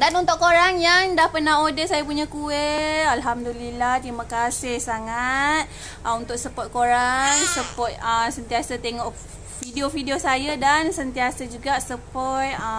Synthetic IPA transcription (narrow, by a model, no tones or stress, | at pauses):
danunt̪ʊʔkːoɾaŋjaŋdahpərnaɦodəsajapuɲakuet̪alɦamdulilaht̪ɾimakasɪhsaŋat̪̚ | ʔəunt̪ʊk̚səpɔt̪̚koɾaŋsəpɔt̪̚əsənt̪iasat̪eŋɔʔ | fidiofidiosajadansənt̪iasad͡ʒuɡaʔsəpɔt̪̚ə